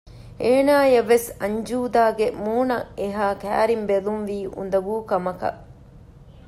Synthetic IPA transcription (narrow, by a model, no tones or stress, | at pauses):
eːnaːjɐʋːesɐɲd͡ʒuːd̪aːɡemuːnɐeɦaːkæ̰ːɾimbelunʋiːṵnd̪ɐbuːkɐmɐkɐ̰ʔ